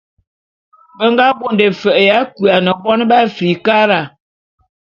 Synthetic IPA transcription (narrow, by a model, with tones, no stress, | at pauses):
bə˦ŋɡa˦bo˦˨nde˨fə˨ʔja˨˦ku˨a˨nə˨bɔ˦n˦ba˦fi˨ka˦ɾa˨